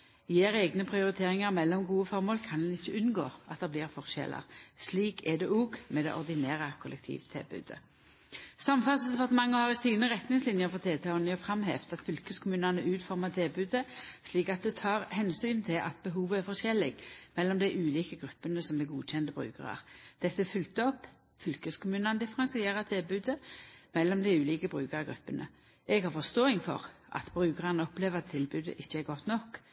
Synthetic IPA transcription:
jeːʁeːɡnəpʰʁɪʊʁɪt̪ʰeːʁɪŋəʁmɛlːɔmɡuːəfɔʁmoːlkʰɑnɛnɪçːəʉnɡoːʔɑt̪̚d̪ɛbliːʁfɔʁɕɛ̰lə̰ʁsliːkʰɛd̪ɛuːɡmɛd̪ɛ̰ʔɔʁd̪ɪneːʁəkʰʊlʔɛkt̪ʰḭːʋt̪ʰɪ̰lbʉ̰ːd̪ə̰ | sɑmfɑlsd̪ɛpɑʁt̪əmɑŋːəhɑʁɪsiːnəʁɛt̪nɪŋslɪnjəʁfɔt̪ʰeːt̪ʰɛɔnjəfʁɑmɦḛːft̪ɑt̪fʏlkəskʰʊmʉːnənəʔʉːt̪fɔʁmət̪ʰɛːbʉd̪əsliːkɑt̪̚d̪ɛt̪ʰɑːʁhɛnsyːnt̪ʰɪlʔɑ̰t̪̚bəɦuːʋəæɾfɔɕɛlːɪɡmɛlːɔmd̪æɪʔʉːliːkəɡɾʉpːənəsɔmd̪ɛɡuːɕɛnd̪əbʁʉ̰ːkə̰ʁɑ̰ʁd̪̥ɛt̪ːəfʏlt̪əɔpː | fʏlkəskʊmʉːnɑnəd̪ɪfəɾɑnsɪeːɾət̪ʰɪlbʉːd̪əmɛlːɔmd̪æɪʉːliːkəbʁʉːkɑʁɡɾʉpːənə̰ | ʔɛɡhɑɾfɔst̪oːɪŋfɔ̰ʁʔɑ̰t̪b̥ʁʉːkəʁɑnəɔpleːʋət̪ʰːɪlbʉːd̪ə̰ʔɪçːəæɾɡɔt̪nɔkː

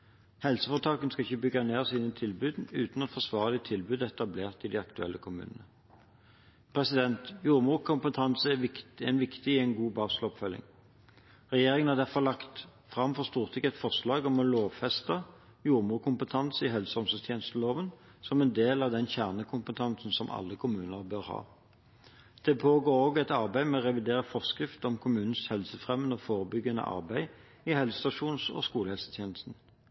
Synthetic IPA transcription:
hɛlsəfɔʁt̪ʰɑːkənskɑɪçəbʏɡɑneːʁsiːnət̪ʰɪlbʉːd̪nʉːt̪nɛt̪fɔʁsʋɑːʁəlɪt̪ʰɪlbʉːd̪ɛt̪ɑbleːʁt̪ɪd̪iɑkt̪ʉɛ̰lːəkʰʊmʉ̰ːnə̰nə | pʰʁɛsɪd̪ɛnt̪juːʁmuːkʰʊmpət̪ʰɑnsəɛɛnʋɪkt̪ɪɪɛɪnɡuːbɑːslɔpfœlɪ̰ŋ | ʁɛjeːʁɪŋənhɑʁd̪æʁfɔʁlɑkt̪ | fʁɑmfɔʁst̪uːʁt̪ʰɪkɛt̪fɔʁslɑːɡɔmɔloːʋfɛst̪ɑ | juːʁmuːʁkʰʊmpət̪ʰɑnsəɪɦɛlsəhɔmsəst̪ʰjeːnəst̪əloːʋən | sɔmɛnd̪eːlɑʋd̪ɛnçæʁnəkʰʊmpət̪ʰɑnsn̩sɔmʔɑ̰lːəkʰʊmʉːnəʁbœʁhɑ̰ː | d̪̥ɛpʰoːɡoːʁoːɡɛt̪ɑʁbæɪmɛɔʁɛʋɪd̪eːʁəfɔʁskʁɪft̪ɔmkʰʊmʉːnn̩shɛlsəfʁɛmːənəɔfoːʁəbʏɡənə̰ʔɑ̰ʁbæɪ | ɪhɛlsə̥st̪ɑʂuːnsɔ̰skuːləhɛlsə̥t̪ʰjeːnəst̪n̩

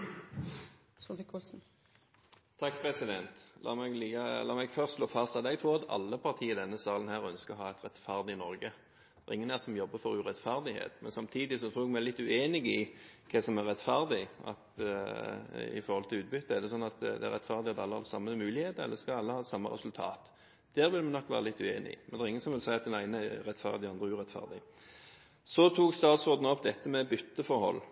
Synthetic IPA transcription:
sɔdkʰɔsn̩ | t̪ʰɑkːpʰɾɛsɪd̪ɛnt̪lʔɑ̰ːmɛɡlikɑlɑːmɛɡfœʁst̪sloːfɑst̪ɑt̪ɛɡt̪ʰɾuːɑt̪ʰɑ̰lːəpʰɑʁt̪ʰiːɪd̪ɛnːəsɑːlənhæːʁœnskəɔhɑːɛt̪ɾɛt̪fæʁd̪ɪnɔɾɡə | dd̪ɛʁɪŋːənæsɔmjɔbːəfɔɾʉʁɛt̪fæʁd̪ɪhḛːt̪mɛnsɑmt̪ʰiːd̪ɪsɔt̪ʰɾuːɛɡmɛælɪt̪ːʉeːnɪɡɪkʰɛsɔmæʁɛt̪fæʁd̪ɪɑ̰t̪ | ɪ̰fɔɾhɔlt̪ʰɪlʉːt̪̚bʏt̪ːəæɾd̪ɛsɔnːɑt̪d̪ɛ̰æ̰ɾɛt̪fæʁd̪ɪɑt̪ːɑlːəhɑ̰d̪sɑmːəmʉːlɪheːt̪əɛ̰lːəskɑɑlːəhɑːsɑmːə̰ɾɛ̰sʉlt̪ʰɑ̰ːt̪ | d̪̥æːɾʋɪlmɛnɔkːʋæ̰ːɾəlɪt̪ːʉeːnɪɪ̰mɛnæɛɾɪŋːənsɔmʋɪlsæɪɑt̪̚d̪ɛnæɪnəæɾɛt̪fæ̰ʁd̪ɪɑnd̪ɾəʉʁɛt̪fæ̰ʁd̪ɪ | sɔt̪ʰuːkst̪ɑːt̪sʁoːd̪nəɔpːd̪ɛt̪ːəmɛbʏt̪ːəfɔɾhɔ̰lː

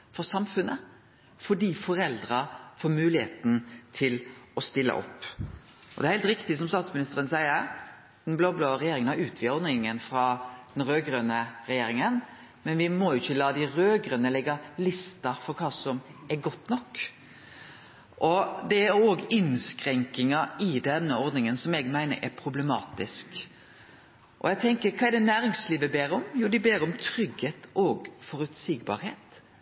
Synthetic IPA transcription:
fɔsɑmfʉnə | fɔɖiːfɔɾɛld̪ɾɑfoːɾmʉːlɪheːt̪n̩t̪ʰɪlɔst̪ɪlːə̰ʔɔ̰pː | ʔɔd̪ɛɾhɛɪlt̪ɾɪkt̪ɪs̬ɔmst̪ɑːt̪smɪnɪst̪əɾənsæɪəɾ | d̪̥ɛnbloːblɑːɾɛjeːɾɪŋənhɑɾʉːt̪ʰʋɪɔnɪŋənfɾɑd̪̥ɛnɾøːɡɾøːnəɾɛjeːɾɪŋən | mɛnʋɪmɔjʊɪçːəlɑːd̪ɪɾøːɡɾœːnːəlɛɡɑlɪst̪ɑfɔɾkʰɑːsɔmɛɾɡɔt̪ːnɔkː | ʔɔd̪ɛæɾoːɡɪnskɾɛŋkɪŋɑɪd̪ɛnːəɔɾd̪nɪŋənsɔmɛɡmæɪnə̰ɾʔɛɾpʰɾʊblɛmɑːt̪ɪsk | ʔɔ̰ɛɡt̪ʰɛŋkəɾkʰɑːɛd̪ɛnæːɾɪŋsliːʋəbeːɾəɔmjuːɖɪbeːɾəɔmt̪ʰɾʏɡheːt̪ʔɔːɡfɔɾʉt̪siːɡbɑ̰ːɾheːt̪

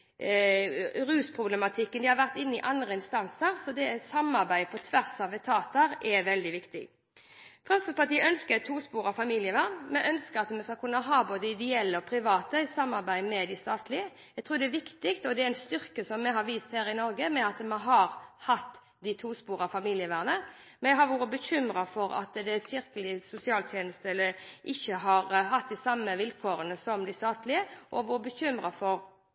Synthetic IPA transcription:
ɾʉːspʰʁʊblɛmɑt̪ʰɪkːənd̪ɪhɑɾʋæʁt̪ɪnːɪʔɑnd̪ɾəɪnst̪ɑnsəɾsɔd̪ɛsɑmːɑɾbæɪpʰɔt̪ʰʋæʁsɑʋɛt̪ʰɑːt̪əɾɛʋɛld̪ɪʋɪkt̪ɪ̰ɡ | fɾɑmsəpʰɑt̪iːəœnskət̪ʰuːspuːɾɑfɑmiːlɪəʋɑɾmɛʔœnskəɾɑt̪mɛskɑkʰʉnːəɦɑːboːd̪əɪd̪ɛɛlːəɔpʰɾɪʋɑːt̪əsɑmːɑɾbæɪmɛd̪ɪst̪ɑːt̪lɪə | jæɛɡt̪ʰɾuːɾd̪ɛɛʋɪkt̪ɪkt̪ɔd̪ɛɛɾɛnst̪ʏɾkəsɔmːɛɦɑɾʋiːst̪hæːɾɪnɔɾɡəmɛɑt̪mɛɦɑɾhɑt̪ː | d̪ɪt̪ʰuːspuːɾɑfɑmiːlɪəʋæʁnəmɛɡɦɑɾʋuːɾəbəçʏmɾɑfɔɾɑ̰t̪d̪ɛsɪɾkəlɪsʊsɪɑːlt̪ʰjeːnəst̪əɛlːəʔɪçːəɦɑɾɦɑt̪̚d̪ɪsɑmːəʋɪlkʰoːɾənəsɔmd̪ɪst̪ɑːt̪lɪəʔɔʋuːɾəbəçʏmɾɑfɔɾ

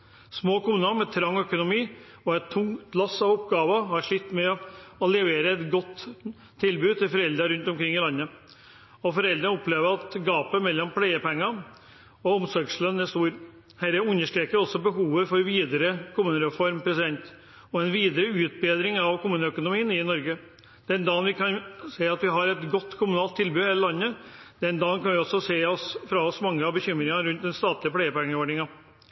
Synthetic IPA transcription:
smoːkʊmʉːnɑmɛt̪ʰɾɑŋːœkʊnʊmiː | ɔɛt̪ʰːʊŋkt̪lɑsɑʋɔpɡɑːʋəhɑɾʂɭɪt̪ːmɛɔlɛʋeːɾəɛt̪ɡɔt̪ʰː | ɪlbʉːt̪ɪlfɔɾɛld̪ɾɑɾʉnt̪ɔmkʰɾɪŋːɪlɑnːə | ɔfɔɾɛld̪ɾənɔpleːʋəɾɑt̪ɡɑːpəmɛlːɔmpʰlæɪəpɛŋːɑ | ɔɔmsɔɾɡslœnːɛst̪uːɾ | hæːɾæʉnːəʂʈɾeːkəɾɔsːɔbəɦuːʋəfɔɾʋiːd̪əɾəkʰʊmʉːnəɾɛfɔɾmpʰɾɛsɪd̪ɛnt̪ | ɔɛnʋiːd̪əɾəʉːt̪̚beːd̪ɾɪŋɑʋkʰʊmʉːnəœkʊnʊmiːənɪnɔɾɡə | d̪̥ɛnd̪ɑːnʋɪkɑnseɪɑt̪ʋɪɦɑɾɛt̪ɡɔt̪ːkʰʊmʉnɑːlt̪ʰːɪlbʉːheːləlɑnːəd̪̥ɛnd̪ɑːnkʰɑnʋɪɔsːɔseːɔsfɾɑɔsmɑŋːəɑʋbəçʏmːɾɪŋɑɾʉnt̪̚d̪ɛnst̪ɑːt̪lɪəpʰlæɪəpɛŋːəʋæɖɪŋɑ

